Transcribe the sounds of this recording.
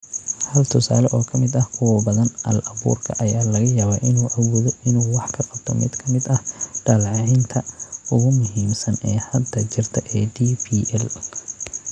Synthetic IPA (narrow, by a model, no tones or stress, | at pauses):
hɐlt̪ʰʊsa̰ːlɔʔɔːkʰɐmɪd̪ɐhkʰʊwɐbɐðɐnʔɐ̰lʔɐβṵːrkʰɐʔɐjaːlɐɣɐjaːβaːʔɪnuːʔɐwɔːðɔɪnuːwɑħkʰɐqɑbt̪ʰɔmɪ̰d̪kʰɐmɪd̪ɐhɖaːlʕɑʕɪnt̪ʰɐʔʊɣʊmʊɦiːmsɐnɛːhɐd̪ːɐt͡ʃɪrt̪ʰɐʔɛːd̪iːpʰiːʔɛl